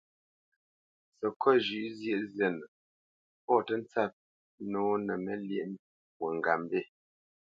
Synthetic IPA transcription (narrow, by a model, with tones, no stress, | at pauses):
sə˨kʰɔ˦ʒʉ˨ʔzje˦ʔzjɛ˨nə˨ | pɔ˦˨tə˦n̩˦t͡sa˦˨p̚ | nɔː˦nə˨mə˦lje˦˨m | wə˨ŋ˨ɡa˨m˦be˦˨